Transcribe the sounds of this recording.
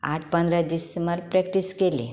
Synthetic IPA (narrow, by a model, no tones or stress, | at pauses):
a̰ʈʰpənd̪ɾad̪isəmbəɾpɾɛkʈiskelḛ